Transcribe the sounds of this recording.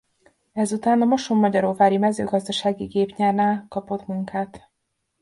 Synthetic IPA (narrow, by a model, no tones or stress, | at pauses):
ɛzut̪aːnɒmoʃomːɒɟɒɾoːvaːɾimɛzø̰ːɡɒzd̪ɒʃaːɡiɡeːpɲɛrnaːlkɒpo̞t̪muŋkaːt̪